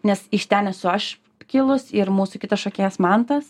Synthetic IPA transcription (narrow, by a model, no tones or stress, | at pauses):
nʲɛsɪʃt̪ʲæːnʲɛsʊɐʃ | kʲɪlˠʊsɪɾmuːsʊkʲɪt̪ɐsʃoːkʲeːɛsmɐnt̪ɐs